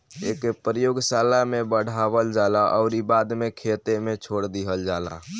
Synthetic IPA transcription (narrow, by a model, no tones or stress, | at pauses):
ekepɾəjoɡsalamebəɽ̤abəld͡ʒalaʔɔ̰ʊɾibad̪mekʰet̪emet͡ʃʰoɽd̪iɦəld͡ʒala̰